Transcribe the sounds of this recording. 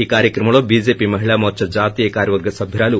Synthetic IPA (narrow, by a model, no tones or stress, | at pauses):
iːkaːɾjɐkɾɐmɐɭoːbid͡ʒeːpimɐɦiɭaːmoɐt͡ʃɐɾd͡ʒaːt̪iːjɐkaːɾjɐʋɐɾɡʱɐsɐbʱjɐɾaːlu